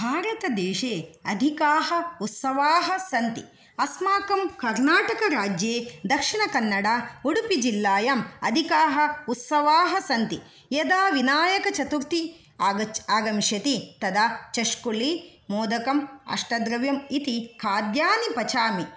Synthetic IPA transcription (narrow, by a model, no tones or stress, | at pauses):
bʱaːɾɐt̪ɐd̪eːʃeːɐd̪ʱikaːɦɐut̪sɐʋaːɦɐsɐnt̪i | ɐsmaːkɐmkɐɾnaːʈɐkɐɾaːd͡ʒjeːd̪ɐkʂiɳɐkɐnːɐɽaːuɽupid͡ʒilːaːjɐmɐ̰d̪ʱikaːɦɐ̆ut̪sɐʋaːɦɐsɐnt̪i | jɐd̪aːʋinaːjɐkɐt͡ʃɐt̪uɾt̪i | aːɐaːɡɐmʃjɐt̪it̪ɐd̪aːt͡ʃɐʃkuɭi | moːd̪ɐkɐmɐ̰ʂʈɐd̪ɾɐʋjɐmit̪ikʰaːd̪jaːnipɐt͡ʃaːmi